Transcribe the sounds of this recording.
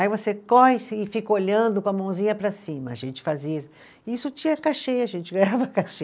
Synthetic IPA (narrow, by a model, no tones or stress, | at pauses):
aivosekɔjsːfikɐoʎɐ̃nd̪ʊkõɐmɐ̃w̃zĩɲɐpɾɐsĩmɐa̰ʒẽnt͡ʃɪ̥fazisʊ̥ | isʊt͡ʃĩɐkaʃejɐʒẽt͡ʃɪɡɾavɐkaʃe